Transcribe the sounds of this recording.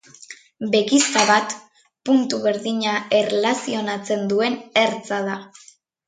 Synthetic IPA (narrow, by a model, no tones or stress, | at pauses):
be̞kist̪aβat̪ | punt̪uβe̞ɾðiɲae̞relasio̞nat͡se̞nd̪ue̞ne̞ɾt͡saða